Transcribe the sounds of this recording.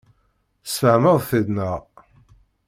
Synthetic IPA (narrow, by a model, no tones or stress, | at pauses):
sfəʕməðˤθiðnəʁ